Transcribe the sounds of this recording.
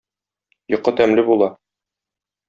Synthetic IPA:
jŏqːɤt̪æmlɘbulˠɑ

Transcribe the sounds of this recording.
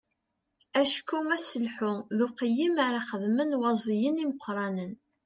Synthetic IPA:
æʃkːumæsəlħʊðʊqjimaɾˤɑχəðmənwɑzˤijəniməqʰʷːɾˤɑnən

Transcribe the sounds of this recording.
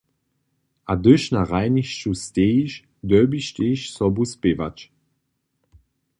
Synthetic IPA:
ʔadøʃnaʁaɪniʃʃusteːʃ | d̪œːbiʃteʃsɔbuspeva̰t͡ʃ

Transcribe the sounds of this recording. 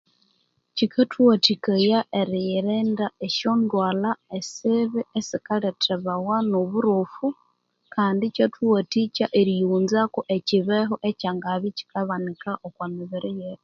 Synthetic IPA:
cikʰatʰwatikajaʔeɾijiɾeːndaeʃondwaːlaesiβiesikaletʰeβawanoβuɾufu | kaːndit͡ʃatʰwatit͡ʃaʔeɾijuːnzakuʔeciβeɦoʔecaːŋɡaβici̥kaβanikaʔokwamiβiɾijet

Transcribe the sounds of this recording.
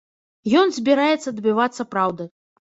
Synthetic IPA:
jɔnzʲbʲiɾajɛt̪sːɐd̪bʲɨvat̪sːɐpɾawd̪ɐ

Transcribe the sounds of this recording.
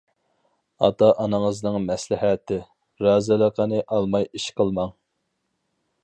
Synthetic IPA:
ɑ̰t̪ɑʔɑnɨŋəznɨŋmɛslɪɦɛt̪ʰɪ | ɾɑːzɪlˠəqənɨʔɑlˠmɑjiʃqʰəlˠmɑŋ

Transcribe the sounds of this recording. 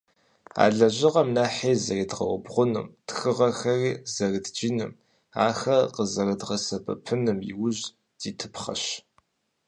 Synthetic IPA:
a̰ːɮɐʑɪʁɐmnaːħeːzɐriːdʁɐ̰wʊbʁʷʊnɨmtxɨʁɐxɐriːzɐrɨdd͡ʒinɨm | aːxɐqəzɐrɨdʁɐsɐbɐ̰pʰɨnɨmjḭwʊʑ | d̥iːtʰɨ̥pχɐ̰ɕ

